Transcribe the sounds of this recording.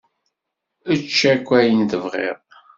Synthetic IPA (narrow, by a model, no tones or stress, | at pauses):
ət͡ʃːækʷːæjənt̪əvʁḛʁ